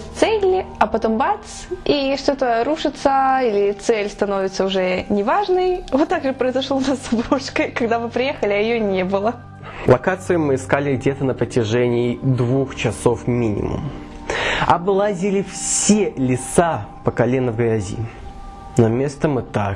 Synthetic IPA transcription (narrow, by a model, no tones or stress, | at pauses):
t̪sɛlʲɐpɐt̪ombat̪siʂt̪ot̪əɾuʂɨt̪səilʲɪt̪sɛlʲst̪ɐno̞vʲɪt̪səʊʐɛnʲɪvaʐnəjvot̪ːaɡʐɨpɾəɪzɐʂlˠonasɐbɾoʂkəkɐɡd̪avɨpɾʲɪjexəlʲɪɐjɪjonʲebɨlˠə | lˠɐkat̪sɨjɪmɨɪskalʲɪɡ̚dʲet̪ənəpɾətʲɪʐɛnʲɪːd̪vuxt͡ɕɪsofmʲinʲɪ̰mʊ̰m | ɐblˠazʲɪlʲɪfsʲelʲɪsapəkɐlʲenəvɡɾʲazʲḭ | nɐmʲe̞st̪əmɨt̪a